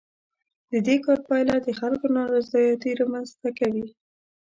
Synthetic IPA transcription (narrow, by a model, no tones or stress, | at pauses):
d̪̥əd̪ekɑɾpɑjlad̪əxalkonaɾazɑjɑt̪iɾɑmanzt̪akawi